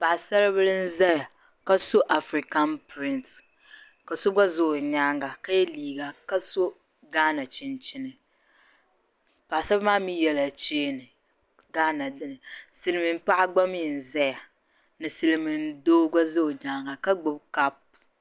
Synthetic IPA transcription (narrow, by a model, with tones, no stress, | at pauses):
pa˨ʔsa˦ɾɨ˦bɨ˦lɨ˦n̩˦zɛ˦ja˨ | ka˦so˦ʔa˨fɾi˨ka˦npɾɪ˦nt | ka˨so˦ɡ͡ba˦zʊ˦˨ɲa˦ŋɡa˨ka˦jɛ˦liː˨ɡa˨ka˦so˦ | ɡaː˦na˨t͡ʃɪ˦nt͡ʃɪ˦nɨ˨ | pa˨sa˦bɨ˦maː˦mi˦jɛ˨la˨t͡ʃeː˦nɨ˨ | ɡaː˦na˨dɨ˦nɨ˨sɨ˦lɨ˦mɨ˨m̩˦pa˦ʔa˦ɡ͡ba˦mi˦˨n̩˨za˦ja˨ | nɨ˨sɨ˨lɨ˨mɨ˨n˦doː˦ɡa˦zo˦o˨ɲaː˦ŋɡa˨ka˦ɡ͡bʊ˦bka˦p̚